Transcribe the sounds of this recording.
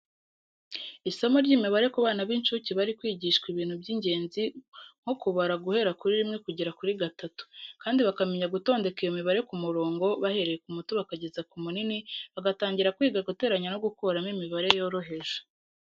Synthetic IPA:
iso̞moɾɟiːmiβaɾe̞kuβaːnaβint͡ʃuciβaɾikwiːɟiʃkwiβiːn̥hubɟiɲɟe̞ːnziŋ̥okuβaɾaɡuhe̞ɾakuɾiɾimŋe̞kuɟiɾakuɾiɡatatu̥kaːndiβakameɲaɡuto̞ːnde̞kejomiβaɾe̞kumuɾo̞ːŋɡo̞βahe̞ɾe̞jekumutuβakaɟe̞zakumuniniβaɡataːɲɟiɾakwiːɡaɡute̞ːɾaɲano̞ɡukoɾamimiβaɾe̞jo̞ɾo̞ɦe̞ʒo̥

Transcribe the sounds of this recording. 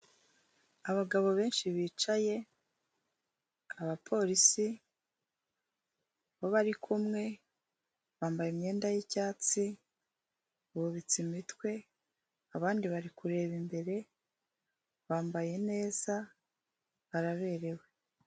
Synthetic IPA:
aβaɡaβo̞βe̞ːnʃiβiːt͡ʃaje̞ | aβapʰo̞ɾisi | βo̞βaɾikʰumŋe̞ | βaːmbajemɲe̞ːndajicaːt͡si | βuβit͡simitwe̞ | aβaːndiβaɾikuɾe̞ːβimbe̞ɾe̞ | βaːmbaje̞ne̞ːz̥a | βaɾaβe̞ːɾe̞we

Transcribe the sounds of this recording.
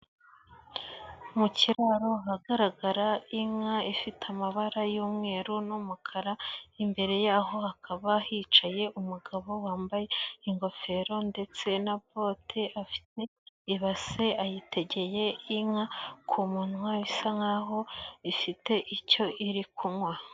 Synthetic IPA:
muciɾaɾoɦaɡaɾaɡaɾaiŋaifitʰamaβaɾajuːmŋe̞ɾunumukʰaɾaimbe̞ɾe̞jaːɦo̞hakʰaβahiːt͡ʃaje̞ʔumuɡaβo̞waːmbaje̞iŋɡo̞fe̞ɾo̞nde̞t͡se̞napo̞tʰe̞ʔafi̥te̞iβase̞ajite̞ɟe̞je̞iŋakʰumuːnuaisaŋaɦo̞ifite̞ʔico̞ʔiɾikunwa

